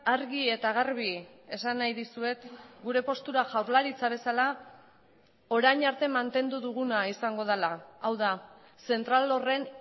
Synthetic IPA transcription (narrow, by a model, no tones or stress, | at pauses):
aɾɣie̞t̪aɣarβie̞sanːajðisue̞t̪ɡuɾe̞po̞st̪uɾaʝawɾlaɾit͡saβe̞sala | o̞ɾajɲaɾt̪e̞mant̪e̞nd̪uðuɣ̞unaisaŋɡo̞ð̞elaːwða | se̞nt̪ɾalo̞re̞n